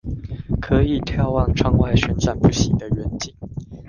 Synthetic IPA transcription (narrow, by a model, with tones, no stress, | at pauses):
kʰɤ˨˦i˨˩t̪ʰjɑ˥ʊwɑ˥˩ŋʈ͡ʂʰɑ˥ŋwa˥˩ɪɕɥɛ˧˥nsa˥˩npu˥˩ɕi˧˥d̪ə˧ɥɛ˧˦nt͡ɕi˥˩ŋ